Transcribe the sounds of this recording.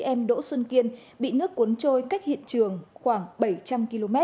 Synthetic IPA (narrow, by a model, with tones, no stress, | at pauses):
ʔɛ˧mɗo̰˧˥swə˧nki˧ənɓḭ˧˨nɨ˦˥əkːu˨˦ənt͡ɕo˧jka˦˥jk̟̚hḭ˧˨ənt͡ɕɨ˨˩əŋxwaː˧˩ŋɓə˧˩jt͡ɕa˧mki˧lo˧mɛ˦˥